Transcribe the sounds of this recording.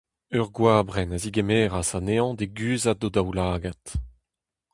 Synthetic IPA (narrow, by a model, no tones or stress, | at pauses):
œʁɡwaːbʁɛnaziɡemeːʁasaneɑ̃d̪eɡyːzad̪od̪awlaːɡat̪